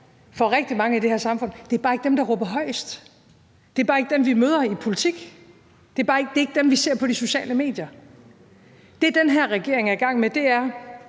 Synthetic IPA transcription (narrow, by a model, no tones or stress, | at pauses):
fɒ̽ʁɛɡ̥̚d̥imɑ̈ŋəide̝heɐ̰sɑ̈mfɔ̽n̰d̥e̝æɐb̥ɑːe̝ɡ̥d̥emd̥ɑ̈ʁɔːb̥ɐɦɒ̽ɪ̰sd̥ | d̥e̝æb̥ɑ̈ːe̝ɡ̥əd̥emʋimøːð̞ˠɐipʰo̝lit͡sʰiɡ̥ | d̥e̝æɐb̥ɑ̈ːe̝ɡ̥̚deɐe̝ɡ̥d̥emʋise̝ɐ̰pʰɒ̽d̥iso̝ɕɛ̰ːləme̝̰ːd̥jɐ | d̥e̝d̥enɦeɐ̰ʁɛɡ̥e̝ɐ̰e̝ŋæɐiɡ̥ɑ̈ŋ̰med̥e̝æɐ